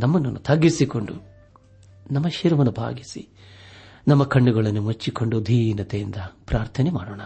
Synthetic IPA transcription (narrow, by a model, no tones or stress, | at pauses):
nɐmːɐnːunːut̪ʰɐɡːisiko̞ɳɖu | nɐmːɐʃiɾɐmɐnːubʱa̰ːɡisḭ | nɐmːɐkɐɳːuɡɐɭɐnːumut͡ʃːiko̞ɳɖud̪ʱiːnɐt̪ejind̪ɐpɾaːɾt̪ʰɐnemaːɽɔːɳɐ